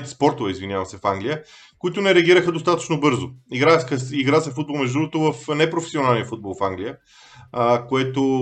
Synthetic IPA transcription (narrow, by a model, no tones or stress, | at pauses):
t̪ɛ̥spɔɾt̪ovɛizvinjavɐmsɛfaŋɡlijə | koit̪ʊnɛɾɛəɡiɾəxəd̪ost̪at̪ə̥t͡ʃnobɤɾzoiɡɾaxəiɡɾasɛfud̪bolˠmɛʒd̪ɾuɡot̪ʊvəfnɛpɾofɛ̥sionalˠnijəfud̪̚bolˠfaŋɡlʲijə | koɛt̪o